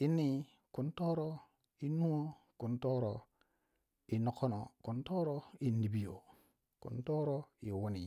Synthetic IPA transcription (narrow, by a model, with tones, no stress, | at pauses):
i˦nːi˦ | ku˨nto˦ɾo˦ | i˦nu˦o˦ | ku˨nto˦ɾo˨ | i˨no˦ko˦no˨ku˨nto˦ɾo˦i˨ndi˨bi˦jo˨ | kṵ˨nto˦ɾo˦i˨wu˦ni˨